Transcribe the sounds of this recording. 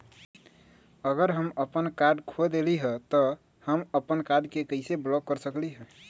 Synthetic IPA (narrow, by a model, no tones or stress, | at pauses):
əɡəɾɦəməpənkaɾɖkʰod̪eliɦət̪ə | həməpənkaɾɖkekəɪseblɔkːəɾsəkliɦə